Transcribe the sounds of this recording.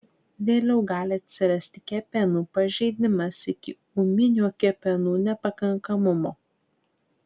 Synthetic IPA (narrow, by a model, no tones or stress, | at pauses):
ʋʲeːlʲɛʊɡɑːlʲɪɐt̪ʲsʲɪɾɐsʲt̪ʲɪ̥kʲɛpʲɛnuːpɐʒʲɛɪd̪ʲɪmɐsɪkʲɪ | umʲɪnʲuːkʲɛpʲɛnuːnʲɛpɐkɐŋkɐmʊmoː